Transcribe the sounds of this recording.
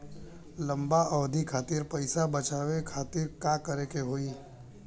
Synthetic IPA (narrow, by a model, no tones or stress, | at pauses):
lɐ̃mbaɔːd̪ʱikʰaːt̪iːɾpəɪsabət͡ʃaːʋekʰaːt̪iɾkaːkəɾekeɦoːiː